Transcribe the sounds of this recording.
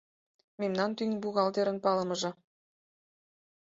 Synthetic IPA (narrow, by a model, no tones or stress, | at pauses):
memnɑnt̪yŋbuɣɑld̪eɾə̆npɑlɤ̆mɤ̆ʒɤ̆